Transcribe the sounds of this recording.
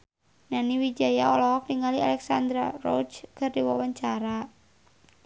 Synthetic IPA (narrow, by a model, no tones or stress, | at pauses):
naniwid͡ʒajaɔlɔk̚diŋalialɛksa̰nd̪ɾarɔ̰d͡ʒkɨrdiwawaɲt͡ʃaɾa